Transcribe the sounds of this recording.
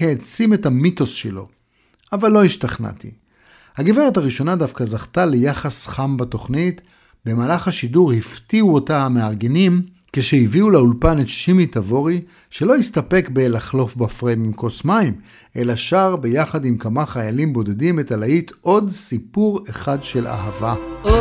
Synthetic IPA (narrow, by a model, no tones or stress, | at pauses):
heːt͡sime̞thamito̞sʃelo̞̰ | avalːo̞hiʃtaχna̰tʰḭ | haɡiveʁethaʁiʃo̞nadafkazaχtale̞jaχasχambato̞χnit | be̞maːlaχhaʃiduʁhiftiuo̞tahameaʁɡenim | keʃeiviuleulpanetʃimitavo̞ʁi | ʃe̞lo̞istape̞kbe̞laχlo̞fbafʁemimkosmaim | e̞laʃaʁbe̞jaχadimkamaχajalimbo̞de̞dimetalaitʰo̞dsipuʁeχadʃe̞la̰ɦava